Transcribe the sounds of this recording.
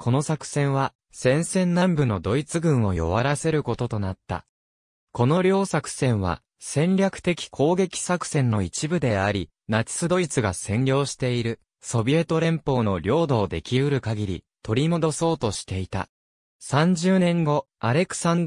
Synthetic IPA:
kʰo̞no̞sakɯ̟̥sẽ̞ɰ̃βa | sẽ̞ɰ̃sẽ̞nːãmbɯ̟no̞d̪o̞it͡sɨɡɯ̟̃ɰ̃o̞jo̞̰βaɾase̞ɾɯ̟ko̞t̪o̞t̪o̞nat̪ːa̰ | ko̞no̞ɾʲo̞ːsakɯ̟̥sẽ̞ɰ̃βa̰ | sẽ̞nɾʲakɯ̟̥t̪e̞kʲi̥kʰo̞ːɡe̞kʲi̥sakɯ̟̥sẽ̞nːo̞it͡ɕibɯ̟d̪e̞aɾʲi | nat͡sɨ̥sɨd̪o̞it͡sɨɡasẽ̞nɾʲo̞ːɕi̥t̪e̞iɾɯ̟ | so̞bʲie̞t̪o̞ɾẽ̞mpo̞ːno̞ɾʲo̞ːd̪o̞ːd̪e̞̰kʲiɯ̟ɾɯ̟kaɡʲiɾʲḭ | t̪o̞ɾʲimo̞d̪o̞so̞ːt̪o̞ɕi̥t̪e̞it̪a̰ | sãɲ̟d͡ʑɨːnẽ̞ŋɡo̞ | aɾe̞kɯ̥sãn

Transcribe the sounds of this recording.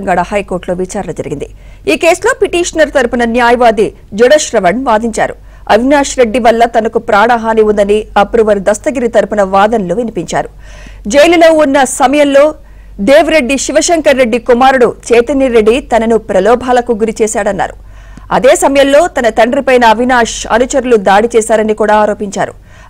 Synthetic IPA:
ŋɡaːɽɐhɐjkoːɾʈlo̞ːʋit͡ʃaːɾɐnɐd͡ʒɐɾiɡind̪i | iːke̞ːslo̞ːpiʈiːʂɐnɐɾt̪ɐɾpunɐnjaːjɐʋaːd̪i | d͡ʒuɽɐʃɾɐʋɐɳʋaːd̪iɲt͡ʃa̰ːɾu | ɐʋʱinaːʂɾe̞ɖːiʋɐlːɐt̪ɐnɐkupɾaːɳaːɦaːniund̪ɐniɐpɾuʋɐɾd̪ɐst̪ɐɡiɾit̪ɐɾupunɐʋaːd̪ɐnloːʋinipiɲt͡ʃa̰ːɾu | d͡ʒɐjlilo̞ːunːɐsɐmɐjɐmlo̞ː | ɖ̪eːʋɾe̞ɖːiʃiʋɐʃeŋkɐɾːe̞ɖːikumaːɾuɽut͡ʃɛːt̪ɐniɾe̞ɖːit̪ɐnɐnupɾɐlɔːbʱaːlɐkuɡuɾit͡ʃɛːsaːɽɐnːa̰ːɾu | ɐd̪eːsɐmɐjɐmlo̞ːt̪ɐnɐt̪ɐɳɖɾipɐjnɐːʋinaːʂɐ̰nut͡ʃɐɾulud̪aːɽit͡ʃɛːsaːɾɐnikuːɽaːɾo̞ːpiɲt͡ʃa̰ːɾṵ

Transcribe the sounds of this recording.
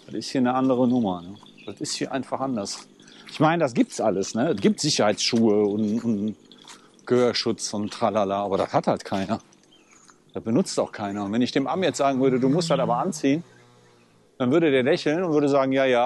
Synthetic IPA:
d̥atɪsthiːɐnəʔandəʁənʊmɐnə | d̥atɪsthiːɐʔa̰ɪnfaχʔandɐs | ʔɪçmaɪnədas̬ɡ̥iːp̚tsʔaləsnəɛsɡ̥iːp̚tz̥ɪçɐhaɪt͡ssʃuːəʊntʊn | ɡ̥əhøːɐʃʊt͡sʊnttʁ̥alalaaːbɐɾa̰shathaltkʰaɪnɐ | d̥as̚b̥ənʊt͡staʊxkʰaɪnɐʊntvɛnɪçd̥eːmʔamjɛt͡sz̥aːɡŋ̩vʏɐɾəduːmʊsthataːbɐʔant͡siːən | d̥anvʏɐɾədeːɐlɛçl̩nʊntvʏɐɾəzaːɡŋ̩jaːjaː

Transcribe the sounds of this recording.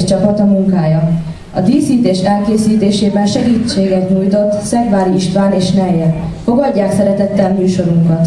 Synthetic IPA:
t͡ʃɒpɒt̪ɒmuŋkaːjɒ | ɒd̪iːsiːt̪eːʃɛlkeːsiːt̪eːʃeːbɛnʃɛɡiːt͡ʃːeːɡɛt̪ɲuːjt̪o̞t̪ːsɛɡʋaːɾiiʃt̪ʋaːneːʃnɛjːɛfo̞ɡɒɟːaːksɛɾɛt̪ɛt̪ːɛmmyːʃo̞ɾuŋkɒt̪

